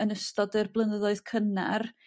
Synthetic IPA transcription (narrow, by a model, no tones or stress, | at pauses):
ənəstɔdɨrblˠənəðɔɨð̥kʰəna̰r